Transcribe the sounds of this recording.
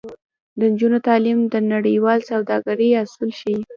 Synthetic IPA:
d̪ənd͡ʒunot̪ɑlimd̪ənaɽəjwɑlsawd̪ɑɡaɾəjasulʃi

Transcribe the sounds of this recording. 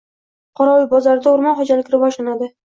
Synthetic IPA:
qʰɒɾɒwɪbɒzaɾɪd̪aʊɾmɒnχod͡ʒalɪkʲɾɪvɒʃlanad̪ɪ

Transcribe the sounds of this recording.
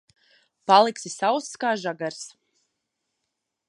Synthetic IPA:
palˠiksisawsskaːʒaɡaɾs

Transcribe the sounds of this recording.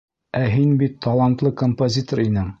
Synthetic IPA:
æɦinbit̪ːɑlˠɑnt̪lˠɤkompozʲit̪oɾinɘɴ

